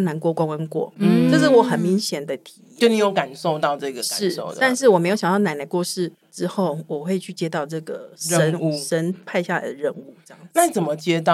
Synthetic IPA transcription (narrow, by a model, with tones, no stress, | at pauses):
na˧˥nkwɔ˥˧kwa˥ŋwə˦nkwɔ̰˥˩ʈ͡ʂɤ˥˧ʂ̬̩˥˩wɔ˨˧˥xə˨˩nmi˧˥ŋɕjɛ˨˩nd̪ə˦t̪ʰi̥˨˦˨t͡ɕo˥˧˩ni˨˩jo˨˩ʊka˨˩nʂo˥˧ʊt̪ɑ˥˧ʊʈ͡ʂɤ˥˧ɡə˨ʂa˨ɻ̩˥˩o̰˥˨ʊd̪ət̪a˥˧nʂ̬ɻ̩˥˩wɔ˨˩me˧˥jɕɑ˨˧t̪ɑ˥˩na˧˥nə˧˩kwɔ˥˧ʂɻ̩˥˩ | ʈ͡ʂɻ̩˥xo˥˩ʊwɔ˨˩xwe˥˧ɪt͡ɕʰy˥˩t͡ɕjɛ˥t̪ɑ˥˧ʊʈ͡ʂɤ˥˩ɡə̰˩ʂə˦nʂə˦˥npʰa˥˧ɪɕja˥˩la̰˨˦ɪd̪ə˩ɻə˥˧nu˥˩ʈ͡ʂjɑ̰˥˩ŋ˨na˥˧˨t͡sə˨˩nmə˦t͡ɕjɛ˦t̪ɑ˥˨